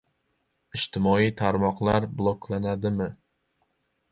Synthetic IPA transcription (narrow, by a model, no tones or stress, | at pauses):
ɪʃt̪ʰɪmɒit̪ʰaɾmɒqlˠaɾblˠoklanad̪ɪmɪ